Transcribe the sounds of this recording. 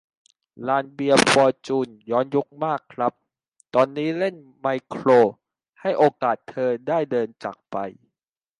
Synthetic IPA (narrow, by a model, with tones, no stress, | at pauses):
laː˧˩nbi˧əfɔː˧t͡ɕuː˧˩njɔː˦˥njo˦˥k̚maː˥˩kʰːɾa˦˥p̚ | t̪ɔː˧nːiː˦˥le˥˩n | ma˧jkʰɾoː˧ | ha˥˩jʔoː˧kaː˨˩t̪ʰːɤː˧daː˥˩jdɤː˧nt͡ɕa̰ː˨˩k̚pa˧j